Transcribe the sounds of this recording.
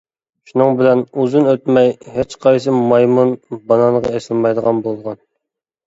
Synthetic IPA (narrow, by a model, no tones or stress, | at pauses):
ʃunɨŋbɪlɛnuzɨnøt̪mɛjhet͡ʃqʰɑjs̬ɨmɑjmunbɑnɑnʁɑɛsɪlmɑjd̪əʁɑnbolˠʁɑn